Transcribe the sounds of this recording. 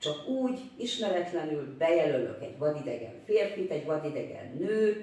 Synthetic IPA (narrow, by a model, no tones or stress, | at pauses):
t͡ʃɒkuːɟ | iʃmɛɾɛt̪lɛnylbɛjɛlølø̰kɛ̰ɟʋɒd̪id̪ɛ̰ɡɛ̰ɱfeːrfit̪ɛɟvɒd̪id̪ɛɡɛ̰nːøː